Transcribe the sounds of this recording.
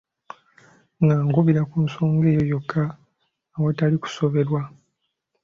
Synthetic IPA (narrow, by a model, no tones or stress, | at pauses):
ŋɡaːŋɡuβiɾakunso̞ːŋɡe̞ːjojo̞kʰːaː | wotaliku̥so̞βe̞ɾwa